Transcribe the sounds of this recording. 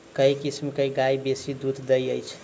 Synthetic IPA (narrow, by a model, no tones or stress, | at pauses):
kəikismkəiɡajbesid̪ud̪d̪əjəjt͡ʃʰ